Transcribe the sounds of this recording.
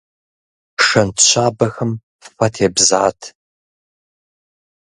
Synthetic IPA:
ʂɐntʰɕʷaːbɐxɐm | fɐtʰeːbzaːtʰ

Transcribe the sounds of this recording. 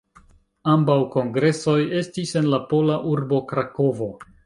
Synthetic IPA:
ambawko̞ŋɡɾe̞so̞je̞stise̞nlapo̞laʔuɾbo̞kɾako̞vo̞

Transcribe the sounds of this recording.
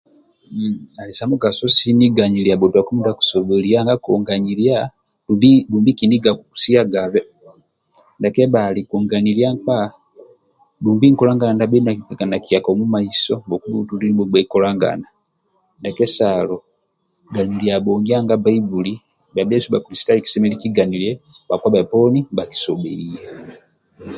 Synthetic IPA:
alisamuɡasosiniɡaɲiliabotwakumundaku̥soβeliaŋɡakoŋɡaɲilja | bibuːmbikiniɡakuku̥siaɡaβe | ndakeβalikuŋɡaniljaŋka | dumbiŋ̩kɔlaŋɡanandabɛnaiɛkanakiakɔmumaisɔbɔkuutulilibɔɡ͡baikɔlaŋɡa̰na | ndakɛsalɔ | ɡaniliabɔŋɡiaŋɡabaibuli | babɛsubakulisi̥taliki̥sɛmɛlikiɡaniliɛbakwabaɛpɔnibaki̥sɔbɛijɛ

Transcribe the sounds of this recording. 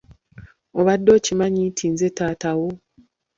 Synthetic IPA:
oβadːo̞ːcimaɲitʰiːnze̞taːtawo

